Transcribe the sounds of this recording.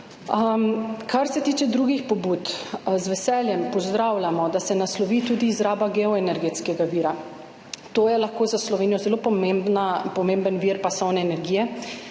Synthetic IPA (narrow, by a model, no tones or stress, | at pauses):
mkaɾsɛt̪iːt͡ʃɛd̪ɾuːɡixpɔbuːt̪zʋɛsɛljɛmpɔzd̪ɾawlʲamɔd̪asɛnaslɔʋit̪uːd̪iːzɾaːbaɡɛɔɛnɛɾɡeːt̪skɛɡaʋiːɾa | t̪oːjɛlaxkoːzaslɔʋeːnijɔzɛlopɔmembnapɔmembənʋiːɾpasɔwnɛːnɛɾɡiːjɛ